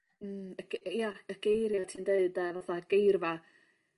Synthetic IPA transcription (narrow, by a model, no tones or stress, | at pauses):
əɡ̥jaəɡ̥ejɾjatʰiːndeɨdavaθaɡ̥ejrva